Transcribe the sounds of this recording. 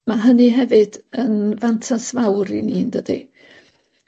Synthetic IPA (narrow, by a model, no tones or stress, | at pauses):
maɦənɨɦɛvɨdənvantʰasvawɾiniːndədḭ